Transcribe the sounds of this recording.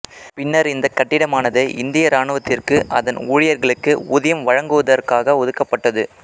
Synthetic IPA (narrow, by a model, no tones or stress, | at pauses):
pɪnːɐɾɪnd̪ɐkːɐʈːɪɽɐmaːnɐðɯʔɪnd̪ɪjɐɾaːɳɯʋɐt̪ːɪrkɯʔɐðɐnuːɻɪjɐɾɣɐɭɯkːɯʊðɐjɐmʋɐɻɐŋɡɯʋɐðɐrkaːɣɐɔðɯkːɐpːɐʈːɐðɯ